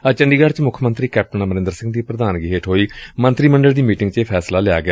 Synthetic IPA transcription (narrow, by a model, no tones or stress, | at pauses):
ət͡ʃəɳɖiːɡəɾt͡ʃmʊkʰmənt̪ɾiːkɛːp̚ʈənaməɾẽnd̪əɾsɪ̃ŋɡd̪iːpɾəd̪aːnɡiɦeːʈɦoːiːmənt̪ɾiːməɳɖəld̪iːmiːʈɪ̃ŋɡt͡ʃeːpʰɛːslaːlɪaːɡɪa